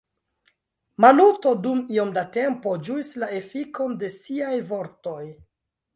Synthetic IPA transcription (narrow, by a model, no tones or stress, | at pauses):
maluto̞dumio̞mdate̞mpo̞d͡ʒuislae̞fiko̞nde̞siajvo̞ɾto̞j